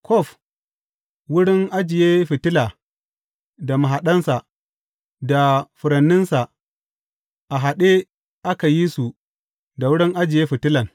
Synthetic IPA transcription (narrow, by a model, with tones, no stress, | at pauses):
kɔ˦˨f | wʊ˦ɽɪ˦ŋʔa˦d͡ʒɪ˨jeː˦ɸɪ˨tɪ˦la˨ | da˨ma˨ɦa˨ɗɐ˦nsa˨ | da˨ɸʊ˨ɾɐ˨nːɪ˦nsa˨ | ʔa˨ɦa˨ɗe˦ | ʔa˦ka˨ji˦su˨ | da˨wʊ˦ɽɪ˦ŋʔa˦d͡ʒɪ˨jeː˦ɸɪ˨tɪ˦lɐ˨ŋ